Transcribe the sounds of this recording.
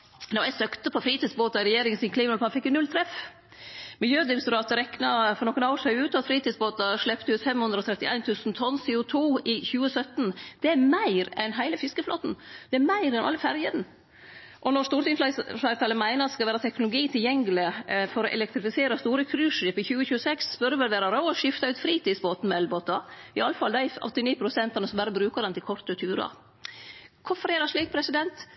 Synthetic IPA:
nɔæsœkt̪əpʰɔfɾiːt̪iːsboːt̪ɑɪɾɛjeːɾɪŋənsɪnkliːmɪnɑlpɑfɪkːənʉlt̪ʰɾɛf | mɪljøːd̪ɪmst̪ʊɾɑːt̪əɾɛknɑfɔɾnɔkənɑsæɪʉːt̪ɑt̪fɾiːt̪iːd̪sboːt̪ɑʂɭɛpt̪əʉːt̪fɛmhʉnd̪ɾɔt̪ʰɾɛt̪ːɪʔæɪnt̪ʰʉːsnt̪ʰɔnsɪʊt̪ʰuːɪçʉːəsœt̪nd̪̥ɛæɾmæɪɾɛnɦæɪləfɪskəflo̰ːt̪n̩d̪̥ɛæɾmæɪɾɛnʔɑ̰lːəfæɾjənə | ʔɔnɔɾst̪uːɾɪnfɑɪt̪ɑːləmæɪnəɾɑt̪skɑʋæːɾət̪ʰɛknʊlʊɡiːt̪ʰɪljɛŋlɪfɔɾɔʔɛ̰lɛk̚t̪ɾɪfɪseːɾɑst̪uːɾəkʰɾʉːʂɪpɪçʉːəçʉːəsɛksspœɾəʋɛlʋeːɾɑɾɑʊɔʂɪft̪ɑʉːt̪fɾiːt̪ɪːsboːt̪n̩mɛɛlboːt̪ɑɪɑlːəfɑld̪æʔɔ̰t̪ːɪniːpʰɾʊsɛnt̪ɑnəsɔmbæɾəbɾʉːkəɾɛnt̪ʰɪlkʰɔɾt̪ət̪ʰʉːɾɑ̰ | kʰʊfɔɾeːlɑʂɭiːk̚pʰɾɛsɪd̪ɛnt̪

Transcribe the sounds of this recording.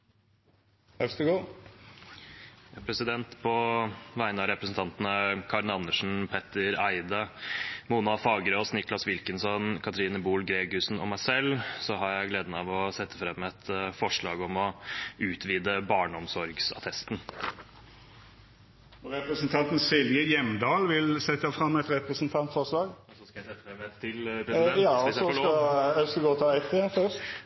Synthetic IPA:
ɛst̪əɡoː | pʰɾɛsɪd̪ɛnt̪pʰɔʋæɪnəɑɾɛpɾəsn̩t̪ʰɑnt̪nəkʰɑɾnɑnːəʂn̩pʰɛt̪ːəɾæɪd̪ɑmuːnɑfɑːɡɾoːsnɪklɑsʋɪlkənsɔnkʰɑt̪ɾiːnəbuːlɡɾeːɡʉsn̩ɔ̰mæɪsɛlsɔɦɑɾjæɪɡleːd̪nɑʋɔsɛt̪ʰːəfɾɛmːɛt̪fɔʂɭɑ̰ːɡɔmɔʉːt̪ʰʋiːd̪əbɑːɳəɔmsɔɾɡsɑ̰t̪ʰɛst̪n̩ | ɔɾɛpɾəsənt̪ʰɑnt̪n̩sɪlʋjəjɛmd̪ɑːlʋɪlsɛt̪ːjɑfɾɑmːɛt̪ɾɛpɾəsnt̪ʰɑnt̪fɔʂlɑːɡɔsɔskɑjæsɛt̪ːəfɾɛmɛɪlpɾɛjɑːɔɔɛskɡoːt̪ʰɑæɪt̪ʰeːfœst̪

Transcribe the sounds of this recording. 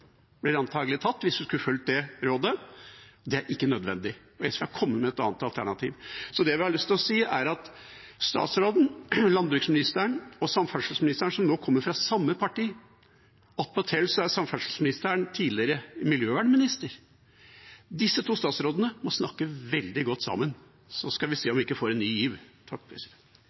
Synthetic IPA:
b̥̪ɪɾɑnt̪ʰɑːɡəlɪt̪ʰɑt̪ːʋɪsʋ̪ɪskʉfʉlt̪̚d̪ɛɾoːd̪ə | d̪ɛæɾʔɪkːənœd̪ʋɛ̰nd̪ɪ | ɔɛskːɑkʰɔmːəmɛɛt̪ɑ̰ːnt̪ɑlt̪ʰæ̰ɳɑt̪ʰḭːʋsɔd̪ɛæʋɪhɑlʏst̪ʰɪlɔsiːæɾɑt̪ | st̪ɑ̰ːt̪sɾoːd̪n̩lɑnbɾʉːksmɪnɪst̪əəɳɔsɑmfœʂlsmɪnɪst̪əɳsɔmnoːkʰɔmːəɾfɾɑsɑmːəpʰɑʈiː | ɑt̪̚mɔt̪ʰɛlːsɔæsɑmfɑʂl̩smɪnɪst̪əəɳt̪ʰiːlɪəɾəmɪljøːʋæːɳəmɪnɪst̪əɾ | d̪ɪsːət̪ʰuːst̪ɑːt̪sɾoːd̪ənəmɔsnɑkːəʋɛld̪ɪɡɔt̪ːsɑ̰mːən | sɔskɑʋɪseːɔmʋɪɪkːəfoːɾɛnːyːjiːʋt̪ʰɑk̚ːpʰɾɛsɪd̪ɛ

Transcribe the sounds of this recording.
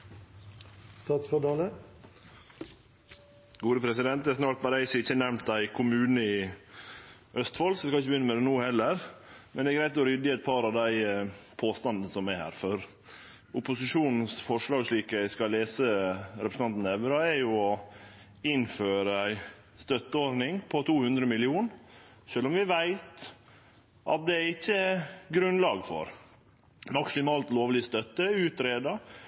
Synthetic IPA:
st̪ɑːt̪sfɔdɑːlə | ɡuːd̪əpʰɾɛsɪd̪ɛnt̪ɛsnɑlt̪bɑɾæɪsɪɪçːənɛʋmnt̪̚d̪æɪkʰʊmʉːnəɪ | ʔœst̪fɔlsɛskɑlɪçəbəjʏnːəmɛd̪ɛnuːhɛlːəɾmɛnd̪ɛɡɾæɪt̪ɔɾʏd̪əæɪt̪̚pʰɑɾɑʋd̪æɪpʰoːst̪ɑnd̪n̩sɔmæhæ̰ːɾfɔɾ | ʊpʊsɪʂuːnn̩sfɔʂɭɑːɡʂɭiːkæɪskɑlːeːsəɾɛpɾsn̩ɑnt̪n̩ɛʋɾɑɛɾjʊɔ | ɪnføːɾəæɪ | st̪œt̪ːəoɾnɪŋpʰɔt̪ʰuːhʉnd̪ɾəmɪlɪuːn | ʂøːlɔmʋɪʋæɪt̪ | ʔɑ̰t̪̚d̪ɛæɾɪçːəɡɾʉnlɑːɡfɔ̰ɾ | mɑksɪmɑːlt̪loːʋlɪst̪œt̪ːəʉːt̪ɾeːd̪ɑ

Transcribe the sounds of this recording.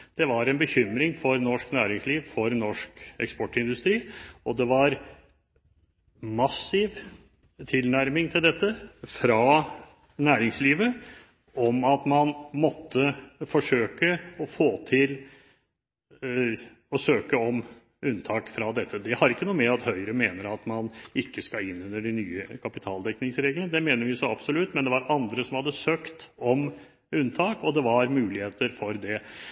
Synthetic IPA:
d̪̥ɛʋɑɾɛnbəçʏmɾɪŋfɔɾnɔʂknæːɾɪŋsliːʋfɔɾnɔʂkɛ̰kspɔʈːɪnd̪ʉst̪ɾiːɔd̪ɛʋɑɾ | mɑsɪʋ | t̪ʰɪlnæɾmɪŋt̪ʰɪld̪ɛt̪ːəfɾɑ | næːɾɪŋsliːʋə | ɔmɑt̪mɑnmɔt̪ʰːəfɔʂøːkəɔfoːt̪ʰɪl | ɔsøːkəɔm | ʉnt̪ʰɑːkfɾɑd̪ɛt̪ːəd̪ɛhɑɾɾɪkːənuːəmɛɑt̪hœʏɾəmeːnəɾɑt̪mɑnɪkːəskɑɪnːʉnːəɖɪnyːəkʰɑpɪt̪ʰɑːld̪ɛknɪŋsɾeːɡlənəd̪ɛmeːnəɾʋɪsɔɑbsɔlʉt̪ːmɛnd̪ɛʋɑɾʔɑnd̪ɾəsɔmhɑd̪ːəsøːkt̪ɔm | ʉnt̪ʰɑːkɔd̪ɛʋɑɾmʉːlɪheːt̪əɾfɔɾd̪ɛ

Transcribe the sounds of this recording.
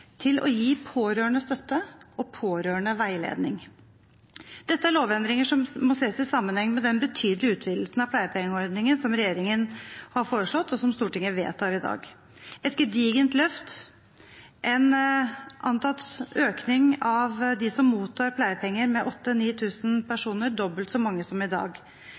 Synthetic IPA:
t̪ʰɪlʔɔ̰jiːpʰoːɾøːɳəst̪œt̪ːəɔpʰoːɾøːəɳəʋæɪlḛːd̪nɪŋ | d̪̥ɛt̪ːəæɾɭoːʋɛnd̪ɾɪŋəʂɔmmɔseːsɪsɑmːənhɛŋːmɛd̪ɛnbət̪ʰyːd̪lɪʉːt̪ʰʋiːd̪l̩snɑʋpʰlæɪəpʰɛŋəɔɾd̪nɪŋənsɔmɾɛjeːɾɪŋənhɑɾfoːɾəʂɭɔt̪ːɔsɔmst̪uːʈɪŋːəʋḛːt̪ʰːɑɾɪd̪ɑ̰ːɡ | ɛt̪ɡəd̪iːɡənt̪lœft̪ | ʔɛnʔɑnt̪ɑt̪øːknɪŋɑʋd̪ɪsɔmːuːt̪ʰːɑːɾpʰlæɪəpʰɛŋːəɾmɛʔɔt̪ːəniːt̪ʰʉːsnpʰæʂuːnəɖɔbəlt̪sɔmɑŋːəsɔmɪd̪ɑ̰ːɡ

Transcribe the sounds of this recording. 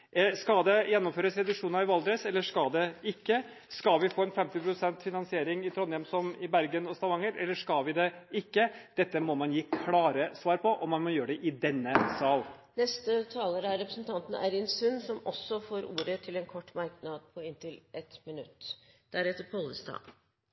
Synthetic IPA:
skɑd̪ɛjɛnːɔmføːɾəsɾɛd̪ʉkʂuːnɑɾɪʋɑld̪ɾɛsɛlːəʂkɑld̪ɛɪkːə | skɑlʋɪfoːɛnfɛmt̪ɪpʰɾʊsɛnt̪fɪnɑnsɪeːɾɪŋɪt̪ʰɾɔnːjɛmsɔmɪbæɾɡənɔst̪ɑʋɑŋːəɾɛlːəʂkɑlʋɪd̪ɛɪkːəd̪̥ɛt̪ːəmɔmɑnjiːkʰlɑːɾəsʋɑːɾpʰɔʔɔmːɑnmɔjøːɖɛʔɪd̪ɛnːəsɑːlnɛst̪ət̪ʰɑːləɾəæɾɾɛpɾəsnt̪ʰɑnt̪ən̩æ̰ɪɾɪnsʉnsɔmɔsːɔfoːɾuːɾət̪ʰɪlɛnkʰɔʈːmɑɾknɑd̪̚pʰɔɪnt̪ʰɪlʔɛt̪mɪnʉ̰t̪ːd̪̥æɾɛt̪ːəɾpʰɔlːəst̪ɑ̰̥ː

